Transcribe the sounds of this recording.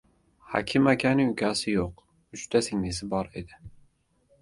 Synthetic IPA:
hɑ̰kʲʰɪmakʲanɪŋʊkʲʰasɪjoq | ʊʃt̪ʰasɪŋnɪsɪbɒɾed̪ɪ

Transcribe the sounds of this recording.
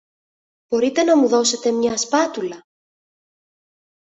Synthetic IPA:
b̥o̞ɾit̪enɐmuðo̞se̞t̪e̞mɲɐspɐt̪ulɐ

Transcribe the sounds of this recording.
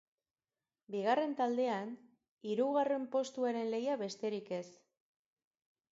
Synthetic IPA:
biɣare̞nt̪ald̪e̞an | iɾuɣare̞mpo̞st̪uaɾe̞nle̞jaβe̞st̪e̞ɾike̞s

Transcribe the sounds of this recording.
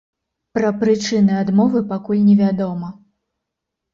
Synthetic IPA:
pɾɐpɾɨt͡ʂɨnɨad̪mɔvɨpakulʲnʲɛvʲad̪ɔmɐ

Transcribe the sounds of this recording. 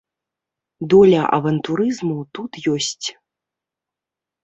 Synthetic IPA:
d̪ɔlʲɐʔɐ̰vɐnt̪uɾɨzmut̪ut̪jɔsʲt͡sʲ

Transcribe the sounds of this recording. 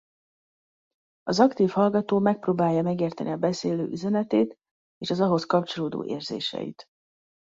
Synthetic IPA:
ɒzɒkt̪iːfhɒlɡɒt̪oːmɛk̚proːbaːjːɒmɛɡeːrt̪ɛniɒbɛseːløːʔyzɛnɛt̪eːt̪ | eːʃɒzɒɦo̞skɒpt͡ʃo̞loːd̪o̰ːʔeːrzḛːʃɛ̰jḭt̪

